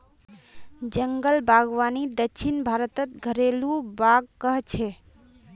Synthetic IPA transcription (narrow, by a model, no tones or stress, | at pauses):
d͡ʒəŋɡəlbʱaɡʋanid̪əkʃʰinbʱaɾət̪ət̪ɡʱəɾelũbaɡkəɦt͡ʃʰe